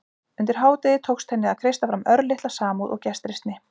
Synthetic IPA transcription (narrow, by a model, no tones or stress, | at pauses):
ʏnt̪ɪɾ̥ɦaːwt̪ɪðɪt̪ʰowkst̪ʰɛnːɪðaðkʰɾejst̪afɾamœɾlɪht̪lasaːmuðʔɔ̰ɣcɛst̪ɾɪst̪nɪ